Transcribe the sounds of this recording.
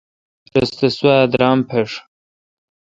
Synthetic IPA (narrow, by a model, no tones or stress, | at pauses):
ɾɐst̪ɐswaːd̪ɾaːmpʰeʂ